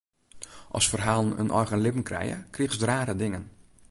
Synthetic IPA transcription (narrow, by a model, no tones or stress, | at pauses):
ʔɔ̰sfərɦaːlˠənə̰nʔɔ̰jɣənlɪpn̩krɛ̰jə̰kriəxəsdraːɾədɪŋən